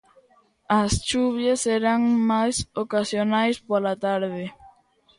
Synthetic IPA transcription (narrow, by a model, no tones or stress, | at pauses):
ɐst͡ʃuβjaseɾaŋmajsokasjonajspolat̪aɾðɪ